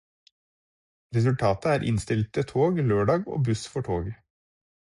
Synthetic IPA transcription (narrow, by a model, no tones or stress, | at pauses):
ɾɛsʉlt̪ʰɑːt̪əæːɾʔɪ̰nst̪ɪlt̪̚ət̪ʰoːɡløːɖɑːɡo̰ːbʉsfɔʈʰoːɡ